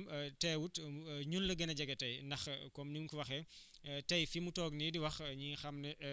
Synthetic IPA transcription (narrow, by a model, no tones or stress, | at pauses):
mtɛːwutɲunlɐɡɐnɐɟɐɡɛtɐjndɐxkɔmniŋkuwɐxɛ | tɐjfimutɔːɡnidiwɐxɲixɐmnɛ